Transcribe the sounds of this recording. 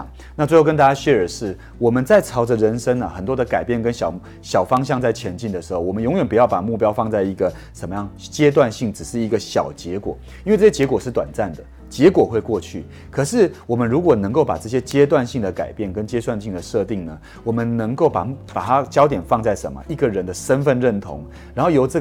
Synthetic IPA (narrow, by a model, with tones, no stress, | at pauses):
ŋ | na˥˩we˥˧ho˥˧˩ə˥nt̪a˥˧t͡ɕja˥ɕɥɛ˥ə˞˨˩ʂɻ̩˥˩ | wɔ˨˩mə˦nt͡sa˥˩ɪt͡sʰɑ˥ʊd͡zə˧ɻə˧˥nʂə˥ŋɐ˨xə˨˩nt̪wɔ˥d̪ə˨ka˨ɪpjɛ˥˩nkə˧˦nɕjɑ˨˩ʊ | ɕjɑ˨˩ʊfɑ˥ŋɕ̬ɑ˥˧ŋt͡sa˥˩ɪt͡ɕʰjɛ˧˥nt͡ɕi˥˩nd̪ə˩ʂɻ̩˧˥xo˥˩wɔ˨˩ə˦njʊ˧˥ŋjɥɛ˨˩npu˨˩jɑ˥˩ʊpa˨˩mu˥˩pjɑ˥ʊfɑ˥˧ŋt͡sa˥˩ɪi˧˥ɡə˨ | ʂə˨˩nmə˦jɑ˥˩ŋt͡ɕjɛ˥t̪̬wa˥˧nɕi˥˩ŋʈ͡ʂɻ̩˨˩ʂɻ̩˥˩i˧˥ɡə˧ɕjɑ̰˨˩ʊt͡ɕjɛ˧˥kwɔ̰˨˩˦ | ji˥nwe˥˧ʈ͡ʂɤ˥˩jɛ˥t͡ɕjɛ˧˥kwɔ˨˩ʂɻ̩˥˩t̪wa˨˩nt͡sa˥˩nd̪ə˩ | t͡ɕjɛ˧˥kwɔ˨˩xwe˥˧ɪkwɔ˥˧t͡ɕʰy̰˥˩ | kʰɤ˨˩ʂɻ̩˥˩wɔ˨˩mə˦nɻu˧˥kwɔ˨˩nɤ˧˥ŋko˥˩ʊpa̰˨˩ʈ͡ʂɤ˥˩ɕjɛ˥t͡ɕjɛ˥t̪̬wa˥˧nɕi˥˩ŋd̪ə˩ka̰˨˩ɪpjɛ˥˩nkə˧˥nt͡ɕjɛ˥swa˥˧nɕi˥˩ŋd̪ə˩ʂɤ˥˧t̪i˥˩ŋnə˩ | wɔ˨˩mə˦nnɤ˧˥ŋko˥˩ʊpa̰˨˩pa˨˩t̪ʰa˦˥t͡ɕjɑ˥ʊt̪jɛ˨˩nfɑ˥˧ŋt͡sa˥˩ɪʂə̰˧˥nmə̰˦ʔi˥˩ɡə˨ɻə˧˥nd̪ə˧ʂə˦˥nfə˥˧nɻə˥˩nt̪ʰo̰˧˥ŋ | ɻa˧˥nxo˥˩ʊjo˨˩ʊʈ͡ʂɤ˥˩